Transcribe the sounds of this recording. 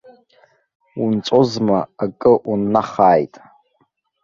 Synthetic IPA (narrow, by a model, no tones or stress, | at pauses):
unt͡sʷʼozmaakʼɨʔunːaχaːjtʼ